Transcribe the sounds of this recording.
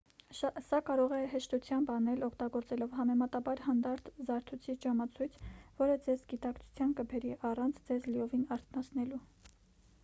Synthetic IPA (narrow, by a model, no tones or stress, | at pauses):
sɑkɑɾɔʁɛɦɛʃt̪ut͡sʰjɑmbɑnɛlɔkʰt̪ɑɡɔɾt͡sɛlɔvɦɑmɛmɑt̪ɑbɑɾhɑnd̪ɑɾt̪ʰzɑɾt̪ʰut͡sʰit͡ʃɑmɑt͡sʰujt͡sʰvɔɾəd͡zɛzɡit̪ɑkt͡sʰu̥t͡sʰjɑnkəbɛɾiʔɑrɑnt͡sʰd͡zɛzliɔvinɑɾt̪ʰnɑt͡sʰnɛlu